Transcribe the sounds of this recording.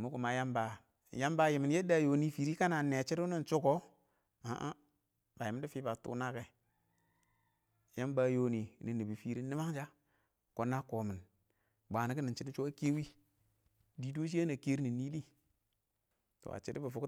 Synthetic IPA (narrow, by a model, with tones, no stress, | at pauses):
mu˦ku˨ma˨ja˦mba˨ | ja˦mba˨ji˨mi˨nje˦da˨jo˨ni˦fi˨ɾi˦ka˦na˨ne˨t͡ʃi˦ɾu˦ni˦nt͡ʃu˦ko˦ | a̰˦ʔa˦ | ba˨ji˨m˦di˦fi˦ba˨tṵ˦na˦ke˨ | ja˦mba˨joː˨˦ni˨ni˨ni˨bi˨fi˨ɾi˦ni˦ma˦ŋ˦d͡ʒa˦ | ko˨nːa˦ko˨mi˨n | ba˨ni˨˦ki˦ni˨nt͡ʃi˦di˦t͡ʃo˦a˦ke˦wi˦ | di˦do˦ʃ̬i˦ja˦na˨ke˦ɾi˦ni˨ni˦li˦ | to̰˨a̰˨t͡ʃi˦di˦bə˨fu˨˦